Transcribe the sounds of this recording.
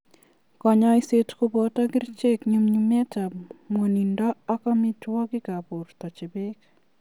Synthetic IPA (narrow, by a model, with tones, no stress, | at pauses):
kɔ˨ɲɔ˦ɪ˦se˦tko˦bɔta˦ɡɪ˦ɾt͡ʃe˦kɲumɲumɛ˦ta˨mwo˨ni˨ndɔ˦a˦kɔ˦mɪ˦twɔ˦ɡɪ˦ka˨bo˨rtɔ˨t͡ʃɪ˨bɪ˦k